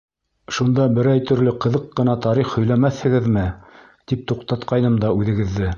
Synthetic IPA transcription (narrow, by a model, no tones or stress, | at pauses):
ʃund̪ɑbɘ̆ɾæjt̪ɵ̆ɾlɵqɤ̆ðɤqːɤ̆nɑt̪ɑɾiχhɵ̆jlæmæθhɘ̆ɡɘðmɘ | t̪ip̚t̪uqt̪ɑt̪qɑjnɤmd̪ɑʉðɘ̆ɡɘ̆ðːɘ